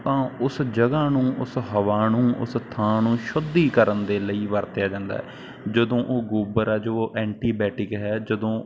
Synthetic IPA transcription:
t̪ãːʊsd͡ʒəɡãːnũːʔʊsɦəʋaːnũːʔʊ̰st̪ʰãːnũːʃʊd̪iːkəɾənd̪eːləiːʋəɾt̪jaːd͡ʒãːnd̪a̰ːɛ | d͡ʒəd̪õːʔoːɡuːbəɾɛːd͡ʒooːʔɛ̃ːɳʈiːbɛːʈɪkɦɛːd͡ʒəd̪õː

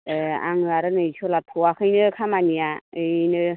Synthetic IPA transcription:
a̰ŋɯaɾɯnɯjsolatʰowakʰɯjnɯkʰamanijaɯjnɯ

